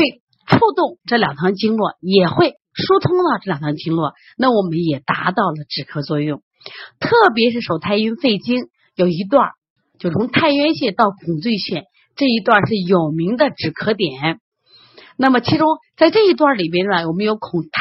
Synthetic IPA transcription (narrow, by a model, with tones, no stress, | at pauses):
xwe˥˧ɪ | ʈ͡ʂʰu˥˧t̪ʊ˥˩ŋʈ͡ʂɤ˥˩ljɑ˨˩ŋt̪ʰɑ˧˥ŋt͡ɕi˥ŋlwɔ˥˩jɛ˨˩xwe˥˩ɪ | ʂu˥t̪ʰʊ˥ŋt̪ɑ˥˧ʊʈ͡ʂɤ˥˩ljɑ˨˩ŋt̪ʰɑ˧˥ŋt͡ɕi˥ŋlwɔ˥˩ | na˥˩wɔ˨˩mə˦njɛ˨˩t̪a̰˧˥t̪ɑ˥˩ʊlə˩ʈ͡ʂɻ̩˨˩kʰɤ˧˥t͡swɔ˥˧jʊ˥˩ŋ | t̪ʰɤ˥˩p̬jɛ˧˥ʂɻ̩˥˩ʂo˨˩ʊt̪ʰa˥˧ɪy˥nfe˥˩ɪt͡ɕi˥ŋ | jo˨˩ʊi˧˥t̪̬wa̰˥˧˩ | t͡ɕjo˥˩ʊt͡sʰʊ˧˥ŋt̪ʰa˥˧ɪɥɛ˥nɕjɛ˥˧t̪ɑ˥˩ʊkʰʊ˨˩ŋt͡swy˥˧ɕjɛ˥˩ | ʈ͡ʂɤ˥˩i˧˥t̪wa˥˧nʂɻ̩˥˩jo˨˩ʊmi˧˥ŋd̪ə˧ʈ͡ʂɻ̩˨˩kʰɤ˧˥t̪̬jɛ˨˩˦n | na˥˩mə˩t͡ɕʰi˧˥ʈ͡ʂʊ˥ŋt͡sa˥˧ɪʈ͡ʂɤ˥˩i˧˥t̪wa˥˩li˨˩mjɛ˥nə˧˩wɔ˨˩mə˦˥njo˧˥ʊkʰʊ˨˩ŋt̪ʰ